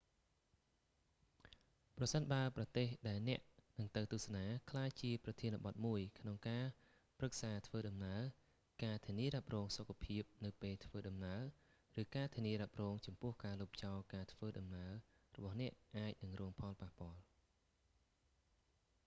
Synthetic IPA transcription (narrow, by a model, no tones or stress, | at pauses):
prɑsənɓaəprɑt̪eːhɗaɛlnɛ̆əʔnɨŋt̪ɨwt̪uəhsanaːkʰlaːjt͡ɕiəprɑt̪ʰiənəɓɑt̪̚muəjkʰnoŋkaː | prɨk̚saːt̪ʰʋəːɗɑmnaə | kaːt̪ʰiəniəɾap̚rɔːŋsokʰːapʰiəp̚nɨwpeːlt̪ʰʋəːɗɑmnaə | rɨːkaːt̪ʰiəniəɾap̚rɔːŋt͡ɕɑmpʊ̆əhkaːluːp̚t͡ɕaɔlkaːt̪ʰʋəːɗɑmnaə | rɔɓɑhnɛ̆əʔʔaːc̚nɨŋrɔːŋpʰɑlpahpŏəl